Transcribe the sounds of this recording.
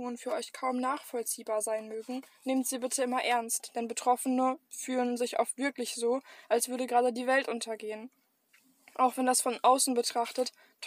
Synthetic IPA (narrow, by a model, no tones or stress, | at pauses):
oənfyːɐʔɔʏçkʰaʊmnaːχfɔlt͡siːbaːɐzaɪnmøːɡŋ̩neːmtz̥iːbɪtʰəɪmɐʔɛɐnstd̥ɛnbətʁ̥ɔfənəfyːlənzɪçʔɔ̰ʊfv̥ɪɐklɪçz̥oːʔalsv̥ʏɐɾəɡʁaːdədiːvɛltʔʊntʰɐɡeːən | ʔaʊxv̥ɛndasfɔnʔaʊsn̩bətʁ̥aχtət | tʰ